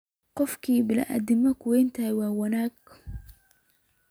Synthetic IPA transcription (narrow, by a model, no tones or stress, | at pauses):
qʊfkibɪla̰ʔa̰d̪ɪmːakwent̪awawanak